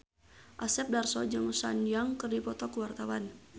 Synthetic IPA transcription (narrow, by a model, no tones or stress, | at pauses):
ʔasɛp̚darsɔd͡ʒɨŋsa̰njaŋkərdipɔt̪ɔkəwart̪awan